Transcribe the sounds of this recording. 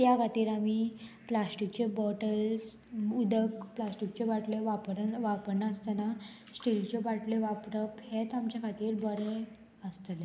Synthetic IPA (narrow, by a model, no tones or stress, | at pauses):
jakʰat̪iːɾami | plasʈik̚t͡ɕebəʈəls | ud̪əkplasʈik̚t͡ɕebaʈleʋapəɾnʋapəɾnaəst̪əna | sʈilt͡ɕebaʈleʋapɾəphet̪amt͡ɕakʰat̪iːɾbəɾe | əst̪le